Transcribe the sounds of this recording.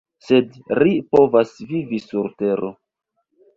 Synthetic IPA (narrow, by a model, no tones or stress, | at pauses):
se̞d | lipo̞vasvivisuɾte̞ɾo